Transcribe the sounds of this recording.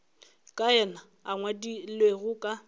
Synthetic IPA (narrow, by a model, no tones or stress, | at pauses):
kʼaɛna | aŋwadilweɣʊkʼa